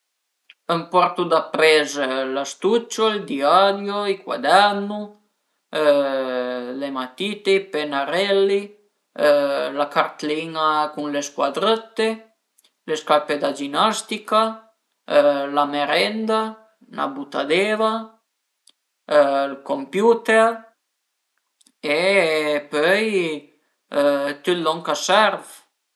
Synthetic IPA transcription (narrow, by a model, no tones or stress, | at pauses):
əmpɔɾt̪ud̪apɾɛzlast̪ut͡ʃːold̪iad̪joikwa̰d̪ɛɾnu | lemat̪it̪eipenaɾɛlːi | lakaɾt̪liŋakunleskwad̪ɾət̪ːe | leskaɾped̪ad͡ʒinast̪ika | lameɾɛnd̪a | nʔa̰but̪a̰d̪eva | lkompjut̪eɾ | epøj | t̪yt̪lɔŋkasɛɾv